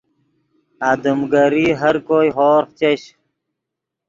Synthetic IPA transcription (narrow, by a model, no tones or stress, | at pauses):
aːd̪əmɡəɾiɦɐɾkoːjɦoːɾxt͡ɕeɕ